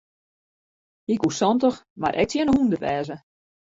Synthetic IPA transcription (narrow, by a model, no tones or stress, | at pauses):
hikusɔntəxma̰ɾʔɛ̰k̚tjɛnəhundəʋɛːzə